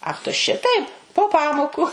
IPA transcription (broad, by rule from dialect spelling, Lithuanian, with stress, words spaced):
ˈɐx tʊ ˈʃʲɪtɐɪp poː ˈpɑːmoːkʊ